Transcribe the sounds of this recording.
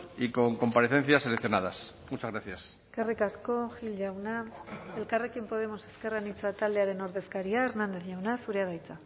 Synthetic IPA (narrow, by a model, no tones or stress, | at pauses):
iko̞ŋko̞mpaɾeθenθjaselekθjo̞naðas | mut͡ʃazɣɾaθjas | kerikaskoxilʝawnaelkarekjempo̞ð̞e̞mo̞se̞ske̞raenit͡sat̪ald̪eaɾe̞noɾðe̞skaɾiaeɾnãnd̪eθɲawnasuɾeaβajt͡sa